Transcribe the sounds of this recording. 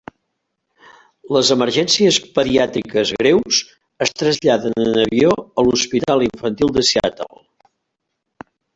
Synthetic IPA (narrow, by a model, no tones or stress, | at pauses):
ləzəməɾʒɛnsiəspəðiat̪ikəzɣɾewz | əst̪ɾəzʎaðənənəβioəluspit̪alˠiɱfənt̪ilˠd̪əsia̰t̪ə̰lˠ